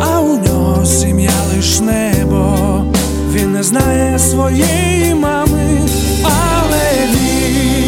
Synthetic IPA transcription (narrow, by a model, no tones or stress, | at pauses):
aud̪ɔ | sʲimjalˠɪʃnɛbɔ | ʋʲinːɛznajɛsʋɔjɛ | j | mamɪ | a | lˠɛ | vʲi